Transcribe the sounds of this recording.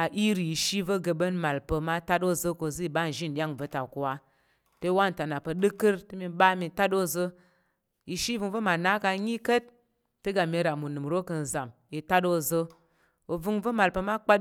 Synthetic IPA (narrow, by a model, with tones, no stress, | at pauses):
a˨ʔi˦ɾi˨ji˨ʃi˦və˦ɡə˧bə˦nma˨lpə˧ma˦ta˦do˦zə˧ko˧zɨ˦i˨ɓa˦˨n̩˨ʒi˦n˨ɗʲa˦ŋvə˨˦ta˨ku˨wa˧ | te˧˦wa˦n̩˨ta˨na˨pə˧ɗɨ˦kɨ˦ɾtɨ˦mi˧ɓa˦mi˧ta˦do˦zə˧ | ji˨ʃi˦vɨ˧ŋvə˦ma˨na˦ka˧ɲi˦kə˦t̚ | tɨ˦ɡa˨mʲe˧ɾa˨mu˨nɨ˨mɾo˦kə˧n̩˨za˨mji˧ta˦do˦zə˧ | o˨vɨ˧ŋvə˦ma˨lpə˧ma˦k͡pa˦